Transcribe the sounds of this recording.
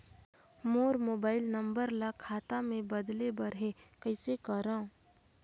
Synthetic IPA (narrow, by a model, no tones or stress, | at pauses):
moːɾmoːbaːɪlnəmbəɾlakʰaːt̪amẽbəd̪lebəɾɦekəɪsekəɾã